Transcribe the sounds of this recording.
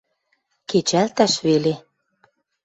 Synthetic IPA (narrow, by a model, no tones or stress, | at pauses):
ket͡ɕælt̪æʃβele